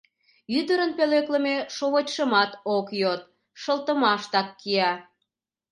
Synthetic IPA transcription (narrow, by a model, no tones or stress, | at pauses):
yd̪əɾənpelekləmeʃoβotʲʃəmɑt̪okjot̪̚ | ʃəlt̪əmɑʃt̪ɑkːiɑ